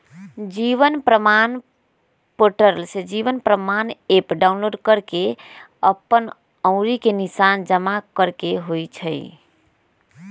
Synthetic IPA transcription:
d͡ʒiʋənpɾəman | poʈəɾlsed͡ʒiʋənpɾəmanepɖaunloɖkəɾke | əpːən | əʊ̃ɾikenisand͡ʒəmakəɾkeɦojt͡ʃʰəj

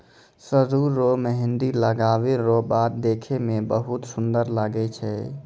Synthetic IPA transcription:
səɾuɾomeɦɪnd̪iləɡaʋeɾobad̪d̪ekʰemebəɦut̪sund̪əɾlaɡɛt͡ʃʰɛ

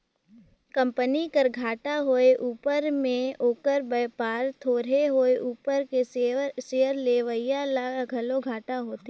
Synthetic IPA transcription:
kə̃mpənikəɾɡʱaːʈaɦoːeʔuːpəɾmẽoːkəɾbəːpaːɾt̪ʰoːɾeɦoːeʔuːpəɾkeseːəɾleʋəɪjalaɡʱɐloɡʱaːʈaɦoːt̪e

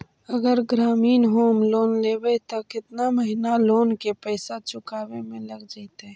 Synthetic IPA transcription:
əɡəɾɡɾaːmiːnɦoːmloːnleːbəit̪okɪt̪naməɦɪnaloːnkepɛːsat͡ʃʊkaːwemẽlɐɡd͡ʒaɪt̪ɦɛ̃ː

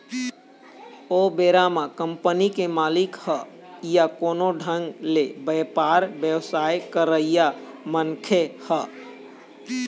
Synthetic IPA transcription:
obeɾamakəmpənikemalikhə | jakonoɖʱəŋɡlebəpaɾbjəwsajkəɾəija | mənkʰehə

